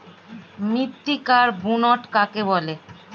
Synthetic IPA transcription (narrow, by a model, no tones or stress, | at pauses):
mit̪ːikaɾbunɔʈkakebɔle